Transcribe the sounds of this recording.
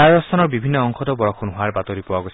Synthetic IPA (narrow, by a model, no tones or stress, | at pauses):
aɔsst̪ʰanɔɹbibʱinːɔɔŋkʰɔd̪ɔbɔɹɔkʰunɦoaɹbat̪ɔɾipɔwaɡosʰ